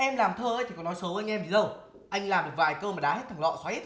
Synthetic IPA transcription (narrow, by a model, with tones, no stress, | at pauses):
ʔɛ˧mlaː˨˩mt̪ʰəː˧əː˧˦jt̪ʰi˨˩kɔ˨˦nɔ˨˦jsə˨˦wa˧ŋ̟ʔɛ˧mɓi˨˦zə˧˩w | ʔa˧jŋ̟laː˨˩mɗɨ˨˩ək̚vaː˨˩jkəː˧maː˨˩ɗaː˨˦ɦe˦˥t̪̚ʰaː˨˩ŋlɔ̰˧˨swaː˨˦i˦˥t̪̚